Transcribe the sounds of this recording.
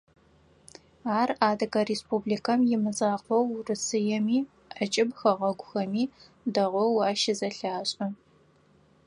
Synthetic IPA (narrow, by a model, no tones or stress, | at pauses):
aːraːdɐkɐɾespublikʰɐmjɪmɨzaːqʷɔwrɨsɨjɛmiː | ʔɐt͡ʃʼɪbxɐʁɐɡʷʊxɐmiː | dɐʁʷɔwɑːʃɪzɐɬaːɕʼɐ